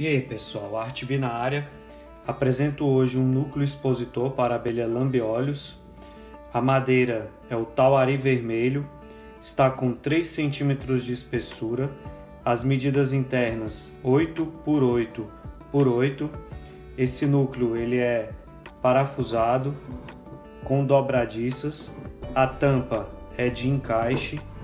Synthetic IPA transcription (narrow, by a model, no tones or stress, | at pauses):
epesuawaɾt͡ʃibinɐaɾjɐ | apɾezẽnt̪ʊoʒɪũnukljʊispozit̪oɾpaɾabeliɐlɐ̃mbiɔlʊs | ɐmad̪ejɾɐ | ɛʊt̪awaɾiveɾmeʎʊ | ɪst̪akõw̃t̪ɾejsːẽnt͡ʃĩmet̪ɾʊzd͡ʒɪːspesuɾɐ | ɐzmed͡ʒid̪ɐzĩnt̪ɛɾnɐsojt̪ʊpʊɾojt̪ʊpoɾojt̪ʊ | esɪnuklɪʊelɪɛ | paɾafuzad̪ʊ | kõd̪ɔbɾad͡ʒisɐsɐt̪ɐ̃pɐɛd͡ʒɪĩkajʃɪ